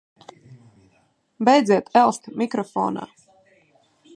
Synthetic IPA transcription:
bʲɛjd̪ziɛt̪ɛlˠst̪mʲikɾɔfɔ̰ːna̰ː

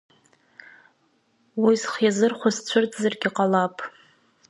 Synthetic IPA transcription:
wizχjazɨrχʷʊst͡ɕʷʰʊrtʰʼzarɡʲɪqʼalapʼ

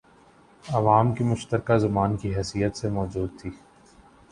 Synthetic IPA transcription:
ɐʋaːmkimʊʃt̪əɾkazɐbaːnkiɦɛːsijət̪semɔːd͡ʒuːd̪̚t̪ʰiː

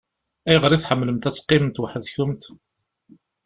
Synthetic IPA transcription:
æjʁəɾiθħəmːləmt̪æt͡sːqːɪmənt̪wəħəðçʊmt̪

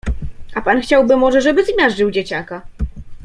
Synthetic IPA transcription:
apanxt͡ɕawbɘmɔʐɛʐɛbɘzmʲaʐɘwd͡ʑet͡ɕaka

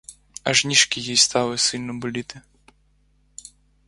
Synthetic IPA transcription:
ɐ̰ʒnʲiʃkʲijijst̪ɑlˠɪsɪlʲnɔbʊlʲit̪ɪ

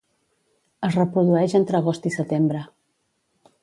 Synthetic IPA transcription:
əzrəpɾuðuɛʒənt̪ɾəɣ̞ost̪isət̪embɾə

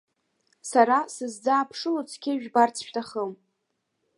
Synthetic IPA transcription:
saɾasɨzd͡zaːpʰʂɨlot͡sʰkʲʰɪʒᶣbart͡sʰʃᶣʲtʰaχəm

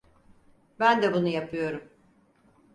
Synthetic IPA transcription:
bænd̪ɛbunujapʰɯjo̞ɾum

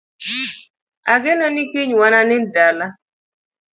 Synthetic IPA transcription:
aɡɪnɔnikiɲwananɪndala

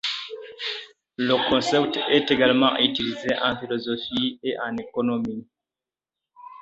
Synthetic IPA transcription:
ləkɔ̃sɛptɛteɡalmɑ̃ytilizeʔɑ̃filɔzɔfieʔãnekɔnɔmi

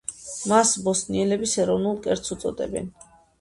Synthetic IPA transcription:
masbɔsniɛlɛbisɛɾɔvnulˠkʼɛɾt̪sut̪sʼɔ̰d̪ɛ̰bɛ̰n

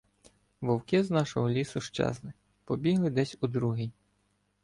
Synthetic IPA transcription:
ʋɔwkʲɪznɑʃɔɦɔlʲisʊʃt͡ʃɛ̰znɪ | pɔbʲiɦlˠɪd̪ɛsʲud̪ɾuɦɪj

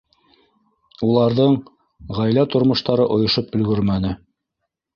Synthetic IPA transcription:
ulˠɑɾðɤɴ | ʁæjlæt̪ŏɾmŏʃt̪ɑɾɤʔŏjŏʃopɵ̆lɡɵɾmænɘ

